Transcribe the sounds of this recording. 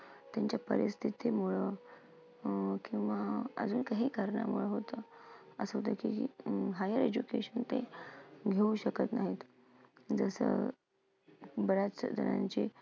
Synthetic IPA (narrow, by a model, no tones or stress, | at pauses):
t̪jaɲt͡ɕjapə̰ɾist̪ʰit̪ʰemuɭə | kĩw̃ʋaə̰d͡zuːnkaɦiːkaɾɳa̰muɭəɦot̪əəsəɦot̪əkiɦajəɾed͡ʑukeɕənt̪eɡʱeuɕəkət̪naɦit̪ | d͡zəsə̰ | bəɾat͡səd̪ʱə̰na̰ɲt͡ɕe